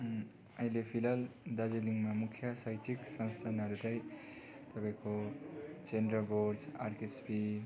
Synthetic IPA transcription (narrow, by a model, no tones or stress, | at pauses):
ʌilepʰilald̪ad͡ziliŋmamukʰjʌsʌjt͡siksʌ̃wst̪ʰanɦʌɾutaj | t̪ʌpaĩko | t͡senɖʌbord͡zarkespi